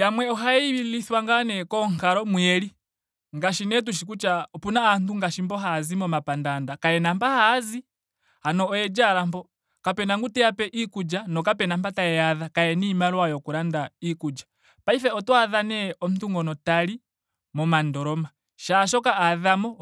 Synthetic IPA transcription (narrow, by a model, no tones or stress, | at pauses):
jamwɛɔɦaɛwiliθwaŋɡanɛkɔŋkaɾɔmwɛɾi | ŋɡaʃinɛt̬uʃikut͡ʃapunaːntuŋɡaʃimbɔɦazimɔmapandandakaɛnampahazi | hanɔːjɛd͡ʒaɾambɔ | kapɛnaŋɡutɛjapɛʔikud͡ʒanɔkapɛnampataɛaðakajɛnimalwajɔkuɾandaikud͡ʒḁ | paifɛɔtɔaðanɛɔm̩tuŋɡɔnɔtaɾi | mɔmandɔɾɔma | ʃaʃ̬ɔkaaðamɔ